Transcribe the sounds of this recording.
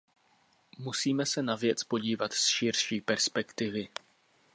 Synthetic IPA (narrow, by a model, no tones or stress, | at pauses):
musiːmɛsɛnavjɛt͡spo̞ɟiːvat̪sʃɪɾʃiːpɛɾspɛkt̪ɪvɪ